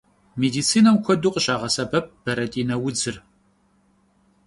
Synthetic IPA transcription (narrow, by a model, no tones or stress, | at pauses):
meːdiːt͡sʰiːnɐmkʷʰɔduːqʼəɕʼaːʁɐsɐbɐp̚b̥ɐɾɐtʼiːnɐwʊd͡zɨr